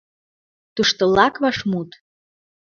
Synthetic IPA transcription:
t̪uʃt̪olɑkβɑʃmut̪

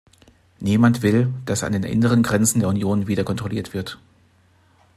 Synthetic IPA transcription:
niːmantv̥ɪld̥asa̰ndeːnʔɪ̰nəʁ̞ənɡʁɛnt͡sn̩deːɐunjoːnviːdɐkʰɔntʁ̥oliːɐtv̥ɪɐt

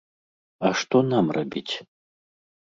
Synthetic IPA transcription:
aʂt̪ɔnamrabʲit͡sʲ

